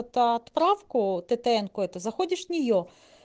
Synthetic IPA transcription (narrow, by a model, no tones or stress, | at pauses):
t̪ɐɐt̪pɾɑwkʊt̪et̪ɛɛnkʊɛt̪ʊzɐxɔdʲɪʃnʲijɔ